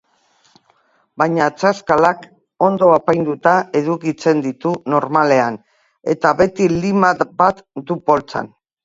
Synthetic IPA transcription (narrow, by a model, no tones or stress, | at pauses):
bajɲat͡saskalak | o̞nd̪o̞apajnd̪ut̪ae̞ðukit͡se̞nd̪it̪uno̞ɾmale̞an | e̞̰t̪aβe̞t̪ilimabat̪d̪upo̞lt͡sa̰n